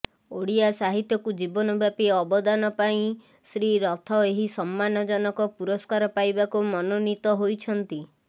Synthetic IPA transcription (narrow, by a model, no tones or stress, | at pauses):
oɽiasaɦit̪jɔkud͡ʒibɔnɔbjapiɔbɔd̪anɔpaĩ | sɾiɾɔt̪ʰɔeɦisɔmːanɔd͡ʒɔnɔkɔpuɾɔskaɾɔpajbakumɔnonit̪ɔɦojt͡ʃʰɔnt̪i